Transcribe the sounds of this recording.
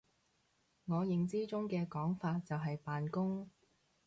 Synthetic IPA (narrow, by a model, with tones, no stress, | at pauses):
ŋɔː˨˧jɪ˨ŋt͡siː˥t͡sʊ˥ŋkɛː˧kɔː˨˥ŋfaː˧t̚t͡sɐ˨wɦɐ˨jpaː˨nkʊ˥ŋ